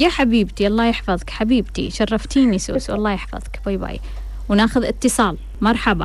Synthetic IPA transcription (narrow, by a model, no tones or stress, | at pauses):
jaːħabiːbt̪iʔɑlˤːɑːjɪħfɑðˤkħabiːbt̪ḭʃɑrˤːɑft̪iːnisṵːswʔɑlˤːɑːjɪħfɑ̰ðˤkb̥ajba̰ːj̰ | wnaːxʊðɪt̪ːɨsˤɑːl | mɑɾˤħɑba